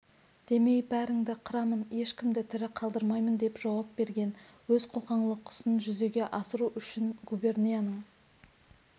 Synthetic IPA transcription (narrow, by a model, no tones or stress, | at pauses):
d̪̥e̞me̞jbæɾɪŋd̪ɪqʰʊɾɑmənje̞ʃkʲɪmd̪ɪt̪ʰɪɾɪqʰɑlˠd̪əɾmɑjmənd̪e̞pʒ̥ɑwɑp̚be̞ɾɡʲe̞nwɵz̥qʰo̞qɑɴlˠəqʰːʊ̥sənʒʏze̞ɡʲe̞ʔɑsəɾuʔʏʃɪnɡube̞rnijanəɴ